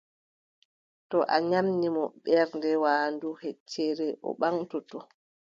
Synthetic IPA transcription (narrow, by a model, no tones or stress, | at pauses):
tɔʔaɲamnimɔɓɛɾndɛwaːnduhet͡ʃːɛɾɛʔɔ̰ɓaŋtɔtɔ